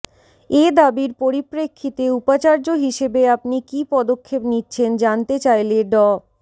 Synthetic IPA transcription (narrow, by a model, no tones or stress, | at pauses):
ed̪abiɾpoɾipɾekʰːit̪eupat͡ɕaɾd͡ʑoɦiʃebeapnikipɔd̪okʰːepnitːɕʰend͡ʑant̪et͡ɕajleɖɔ